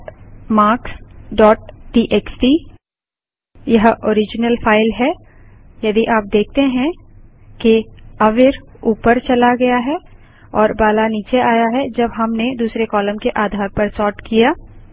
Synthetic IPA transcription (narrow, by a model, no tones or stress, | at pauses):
maːɾksɖɔːʈ̚ʈiːʔeːksʈi | jɐɦoːɾɪd͡ʒnəlfaːɪlɦɛ | jɐd̪iʔaːp̚d̪eːk̚t̪eɦɛ̃ | keɐʋɪɾ | uːpəɾt͡ʃɐlaɡɐjaɦɛ | ɔːɾbaːlaniːt͡ʃeʔaːjaɦɛd͡ʒɐbɦɐmned̪uːsɾekɔːləmkeʔaːd̪ʱaːɾpɐɾsɔːʈkijaː